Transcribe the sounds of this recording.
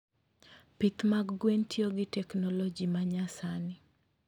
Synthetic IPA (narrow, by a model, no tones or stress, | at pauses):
pit̪maɡɡwentʰjoɡɪtɛknɔlɔd͡ʒimaɲasanɪ